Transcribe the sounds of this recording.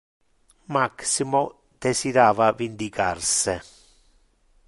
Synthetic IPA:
maksimo | d̪̥esid̪aːvavind̪ikarse

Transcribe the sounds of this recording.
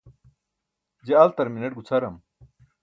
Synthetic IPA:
d͡ʑeɐlt̪ɐɾminɐʈ̚ɡut͡sʰɐɾɐm

